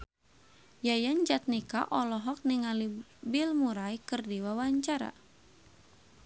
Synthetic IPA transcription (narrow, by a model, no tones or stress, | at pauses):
jajand͡ʒat̪̚nika̰ʔɔlɔɦɔk̚niŋali | bilmuɾaikɨrdiwawaɲt͡ʃaɾa̰